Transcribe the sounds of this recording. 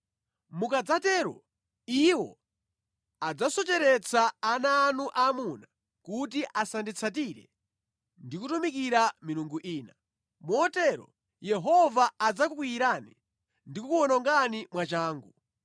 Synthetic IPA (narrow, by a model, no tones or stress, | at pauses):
mukad͡zatɛːɾɔ̰ | iwɔ̰ | ad͡zasɔt͡ʃɛɾɛt͡sʰaːnaːnuʔamuna | kutiʔasandit͡sʰatiɾɛ̰ | ndikutumikiɾamiɾuŋɡuʔiːna | muɔtɛɾɔ̰ | jɛɦɔvaːd͡zakukwiiɾani | ndikukuɔnɔŋɡanimwat͡ʃaːŋɡu